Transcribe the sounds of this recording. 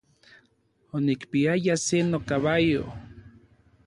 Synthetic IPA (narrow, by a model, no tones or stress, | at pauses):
onikpiajasenokaβajo̰